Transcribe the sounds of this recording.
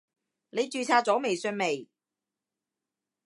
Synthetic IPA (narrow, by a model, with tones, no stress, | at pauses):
ne˨˧jt͡ʃyː˨˧t͡sʰaː˧t͡sɔː˨˥me˨jsœː˧nme˨j